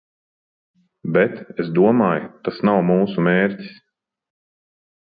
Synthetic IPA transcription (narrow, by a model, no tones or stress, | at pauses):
bɛt̪esd̪uɔmaːjt̪asnawmuːsumeːɾtʲi̥s